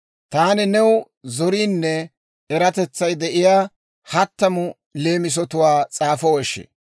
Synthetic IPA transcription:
t̪aːnɪnɛw | zɔɾiːnːɛː | ɾɐt̪ɛt͡sːɐjd̪ɛʔɪjaː | hɐt̪ːɐmʊ | le̞ːmɪs̬ɔt̪ʊwaːt͡sʼaːfɔwɔʃːɛ̰

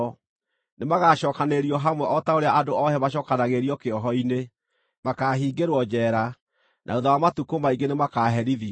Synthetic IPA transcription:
nemaɣaːɕɔːkaneɾiɔɦamwɛʔɔtaoɾeaʔadoɔhɛmaʃ̬ɔkanaɣeɾiɔkeɔɦɔine | makaɦiːɡeɾwɔd͡ʒɛːɾa | nʔa̰oðawamatukomaiɡenemakaɦɛɾiði

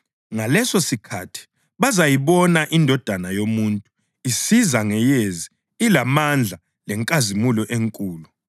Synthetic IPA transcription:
ŋalɛsosikʰatʰi̥ | βazajiβɔnaʔindʱɔd̥ʱanajomuntʼu | isizaŋɛjezi | ilamand͡ɮʱa | lɛŋkʼazimulɔʔeŋkʼuːlu

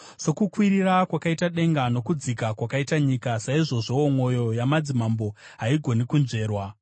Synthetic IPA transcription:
so̞kukwiɾiɾakwakaitaɗe̞ŋɡano̞kud͡zikakwakaitaɲikasaiʐo̞ʐo̞omwo̞jo̞jamad͡zimambo̞ | ɦaiɡʱo̞nikunʐe̞ːrwa

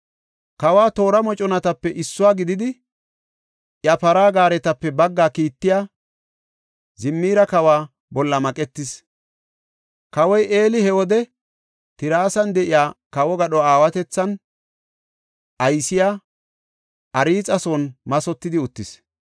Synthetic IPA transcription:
kɐwaːt̪o̞ːɾɐmɔt͡ʃʼɔnɐt̪ɐpːɛʔɪsːʊwaːɡɪd̪ɪd̪ɪ | ʔjɐpɐɾaːɡaːɾɛt̪ɐpːɛbɐɡːaːkiːt̪ːɪjaː | zɪmːiːɾɐkɐwaː | bɔlːɐmɐkʼɛt̪ːɪs | kɐwɔjʔe̞ːlɪhɛwɔd̪ɛ | t̪ɪɾaːsɐnd̪ɛʔɪjaːkɐwɔɡɐɗɔaːwɐt̪ɛt͡sːɐn | ʔɐjsɪjaː | ʔɐɾiːt͡sʼɐsɔːnmɐsɔt̪ːɪd̪ɪʊt̪ːɪs

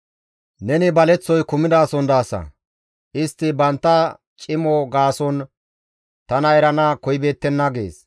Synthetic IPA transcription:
nɛnɪbɐlɛt͡sːɔjkʊmɪd̪aːsɔnd̪aːsɐ̰ | ʔɪst̪ːɪbɐnt̪ːɐ | t͡ʃʼɪmɔɡaːsɔn | t̪ɐnɐɛɾɐnakɔjbe̞ːt̪ːɛnːɐɡe̞̰ːs

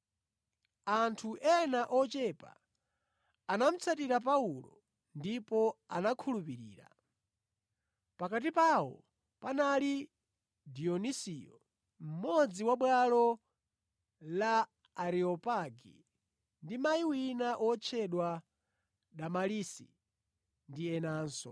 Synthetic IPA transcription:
antʰuʔɛnaʔɔt͡ʃɛpa̰ | nam̩t͡sʰatiɾapaulɔ̰ | ndipɔanakʰulupiɾḭːɾa̰ | pakat̬ipawɔ̰ | panali | diɔnisiːjɔ̰ | m̩mɔd͡ziwaɓwalɔ | laː | ɾiɔpaɡḭ | ndimaiwinaʔɔt͡ʃʰɛɗwa | ɗamalisḭ | ndiɛnaːnsɔ̰

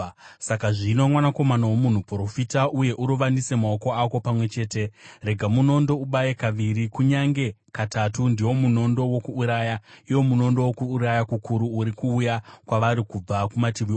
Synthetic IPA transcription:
sakaʐinomwanako̞manawomun̤upro̞fitaʔuje̞ʔuɾuʋandise̞mao̞ko̞ako̞pamwe̞t͡ʃe̞ːte̞re̞ɡʱamuno̞ndo̞uɓajekaʋiɾikuɲaŋɡe̞katatundiwo̞muno̞ndo̞wo̞kuːɾaːjaiwo̞muno̞ndo̞wokuːɾajakukuɾuːɾikuːjakwaʋaɾikub͡vakumatiʋi

